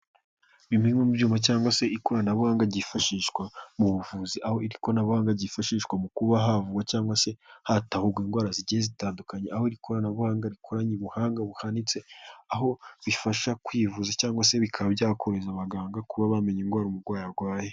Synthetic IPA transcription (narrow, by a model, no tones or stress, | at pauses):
βimimwemubjuːmacaːŋɡwase̞iko̞ɾanaβuhaːŋɡaɾɟifaʃiːʃkwamuβuvuːziʔaho̞iɾikonaβuhaːŋɡaɾɟifaʃiːʃkwamukuβaɦavuɡwacaːŋɡwase̞hatahuɡwiːŋɡwaːɾaziɟijezitaːndukaɲeaho̞iɾikʰo̞ɾanaβuhaːŋɡaɾikʰoɾaɲiβuhaːŋɡaβuhanit͡seaɦo̞βifaʃakwiːvuzacaːŋɡwase̞βikʰaβabjaːkʰo̞ɾe̞zaβaɡaːŋɡakuβaβame̞ɲiŋɡwaːɾumuɾɡwaːjaɡwaːje